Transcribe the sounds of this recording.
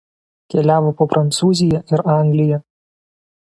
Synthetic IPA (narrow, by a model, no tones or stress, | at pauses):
kʲɛlʲæːʋoːpoːpɾʔɐnt̪suːzʲɪjɛʔɪɾɑˑŋʲɡlʲɪjɛ